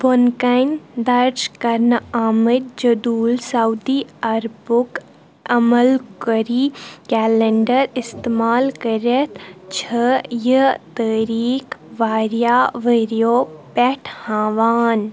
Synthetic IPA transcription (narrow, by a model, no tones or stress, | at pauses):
bonkɐjnd̪ɐɾd͡ʒkɐɾnaːməd̪̚d͡ʒɐd̪uːlsaud̪iɐɾbʊk | ɐmɐlkəɾikɛːleɳɖəɾɪst̪emaːlkəɾɐt̪ʰt͡ʃʰəjət̪əːɾiːkʋaːɾijaːʋəɾijoːpɛʈʰhãːʋaːn